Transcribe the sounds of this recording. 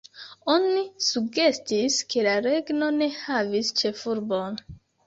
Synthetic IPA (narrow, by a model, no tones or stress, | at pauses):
onisuɡd͡ʒestiskʰelaɾeɡnone̞havist͡ʃefuɾbon